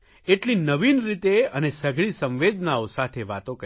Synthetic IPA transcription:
eʈlinəʋinɾit̪eənesəɡʱɭisə̃mʋed̪naosat̪ʰeʋat̪õkə

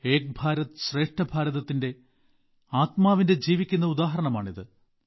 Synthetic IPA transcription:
e̞ːk̚bʱaːɾɐt̪ɨɕre̞ːʂʈɐbʱaːɾɐðɐt̪ːinde̞ | aːt̪maːʋinde̞d͡ʑiːʋikʲːunːɐud̪aːɦɐɾɐɳɐma̰ːɳiðɨ

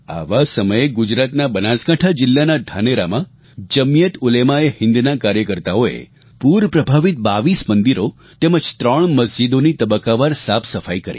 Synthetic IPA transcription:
a̰ʋasəməjeɡʊd͡ʒɾat̪nabənaskaʈʰad͡ʒɪlːanad̪ʱaneɾamã | d͡ʒəmijət̪ʊlemaehɪ̃nd̪nakaɾjəkəɾt̪aoḛ | puɾpɾəbʱaʋit̪̚baʋismənd̪iɾo | t̪eməd͡ʒt̪ɾəɳ̃məsd͡ʒid̪onit̪əbəkaʋaɾsapʰsəfajkəɾḭ

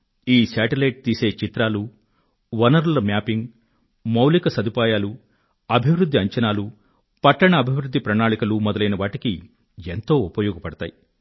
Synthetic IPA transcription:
iːsaːʈilɐjʈ̚t̪iːse̞ːt͡ʃit̪ɾaːlu | ʋɐnɐɾlɐmjaːpiŋɡ | mɐwlikɐsɐd̪ipaːjaːlu | ɐbʱiʋɾud̪ʱːiɐɲt͡ʃɐnaːlu | pɐʈːɐɳɐːbʱiʋɾud̪ʱːipɾɐɳaːɭikɐlumɔd̪ɐlɐjnɐʋaːʈiki | ent̪o̞ːupɐjɔːɡɐpɐɽɐt̪a̰ːji

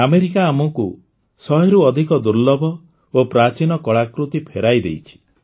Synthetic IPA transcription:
ameɾikaːmɔku | sɔɦeɾuɔd̪ʱikɔd̪uɾlɔbʱɔ | opɾat͡ʃinɔkɔɭakɾut̪ipʰeɾajd̪ḛjt͡ʃʰi̥

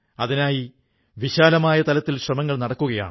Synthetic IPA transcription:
ɐðinaːji | ʋiɕaːlɐmaːjɐt̪ɐlɐt̪ːilɕrɐmɐŋːɐɭnɐɽɐkːuɣɐja̰ːɳɨ

